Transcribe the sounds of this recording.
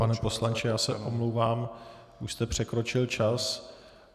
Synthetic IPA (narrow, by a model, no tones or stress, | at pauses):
panɛpo̞slant͡ʃɪjaːsɛʔomlowvaːm | ʔuʃst̪ɛpr̝̥ɛkɾo̞t͡ʃɪlt͡ʃas